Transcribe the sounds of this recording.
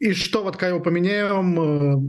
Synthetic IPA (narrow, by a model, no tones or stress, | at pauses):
iʂt̪ovot̪kakjɪvopəmʲɪnʲæjɪom